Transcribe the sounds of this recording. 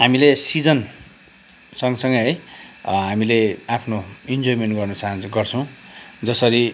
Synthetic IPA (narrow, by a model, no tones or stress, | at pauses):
ɦamilesid͡zʌn | sʌŋɡʌsʌŋɡʌɦʌjɦamileapʰnoind͡zojimenʈɡʌrnʌt͡saɦãnɡʌrt͡sʰʌ̃w̃d͡zʌsʌɾi